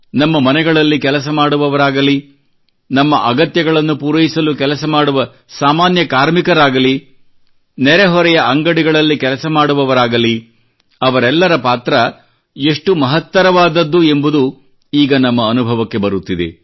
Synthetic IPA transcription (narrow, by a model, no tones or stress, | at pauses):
nɐmːɐmɐnɛɡɐɭɐlːikɛlɐs̬ɐmaːɽuʋɐʋɐɾaːɡɐli | nɐmːɐʔɐɡɐt̪jɐɡɐɭɐnːupuːɾɐjisɐlukɛlɐsɐmaːɽuʋɐ | saːmaːnjɐkaːɾmikɐɾaːɡɐli | nɛɾeɦɔɾɛjɐʔɐŋɡɐɽiɡɐɭɐlːikɛlɐsɐmaːɽuʋɐʋɐɾaːɡɐli | ɐʋɐɾɛlːɐɾɐpaːt̪ɾɐ | e̞ʂʈumɐɦɐt̪ːɐɾɐʋaːd̪ɐd̪ːue̞mbud̪u | iːɡɐnɐmːɐːnubʱɐʋɐkːe̞bɐɾut̪ːid̪e̞̰